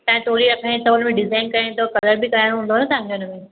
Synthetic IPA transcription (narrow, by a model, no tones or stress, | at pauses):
t̪ɐ̃ɦẽt̪ʰoːɾiɾɐkʰaĩt̪ɐʊn̆mẽɖɪzaːɪnkɐɾãt̪ʰokɐləɾbɪkɐɾaːɪ̃ɽ̃oɦũːnd̪oɦːnət̪aɦãŋɡeʊnəmẽ